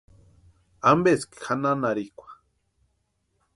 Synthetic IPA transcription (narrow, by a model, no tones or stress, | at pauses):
ambeskxananaɾikʷḁ